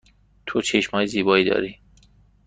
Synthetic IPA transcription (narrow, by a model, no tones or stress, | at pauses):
t̪ʰot͡ʃʰeʃmɒːjeziːbɒːiːd̪ɒ̰ːɾiː